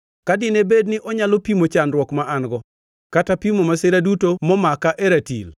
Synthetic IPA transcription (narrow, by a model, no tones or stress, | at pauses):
kadɪnebednɪʔɔɲalopimot͡ʃanɾwɔkmaʔanɡɔ | katapimomasɪɾadutomɔmakaʔeɾatḭl